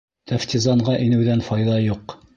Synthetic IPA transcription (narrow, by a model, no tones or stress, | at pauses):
t̪ʰæft̪ʲizɑɴɢɑʔinɘ̆wðænfɑjðɑjuq